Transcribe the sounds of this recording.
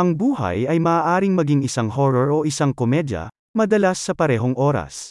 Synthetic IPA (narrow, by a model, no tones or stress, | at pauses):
ʔɐŋbuːɦɐ̰jɐjmɐʔaːʔaːɾɪŋmɐɡiŋɪsaŋhoɹɔɹoʔɪsaŋkomɛd̪jɐ̰ | mɐd̪ɐlasːɐpɐɾɛːɦoŋʔo̞ːɾɐ̰s